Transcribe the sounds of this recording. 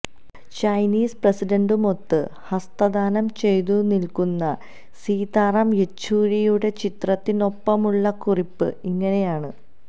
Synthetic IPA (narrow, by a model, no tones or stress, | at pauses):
t͡ɕɐjniːspresiɖɐɳɖumo̞t̪ːɨhɐst̪ɐd̪aːnɐmt͡ɕe̞jt̪unilkunːɐ | siːd̪aːrɐmet͡ɕːuːɻijuɽe̞t͡ɕit̪rɐt̪ːino̞pːɐmuɭːɐkuripːɨiŋːɐne̞jaːɳɨ